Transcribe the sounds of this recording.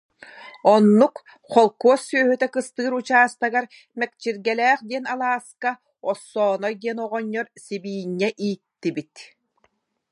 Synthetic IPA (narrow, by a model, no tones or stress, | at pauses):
ɔnːuk | χɔlˠkuɔsːyœɦyt̪ɛkɯst̪ɯːɾut͡ɕaːst̪aɡaɾ | mɛk̚t͡ɕiɾɡɛlæːχd̪iɛnalˠaːska | ɔsːɔːnɔɡ̪iɛnɔʁɔɲːɔɾsibiːɲːɛʔiːt̪ːibit̪